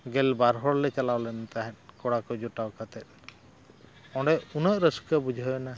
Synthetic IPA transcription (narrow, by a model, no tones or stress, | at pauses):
ɡɛlbaɾɦɔɽlɛt͡ʃalawlɛnt̪aɦɛ̃t̪̚ˀkɔɽakɔd͡ʒɔʈawkat̪ɛt̪̚ˀ | ɔ̃ɖɛunəʔɾəskəbud͡ʒʱəjɔna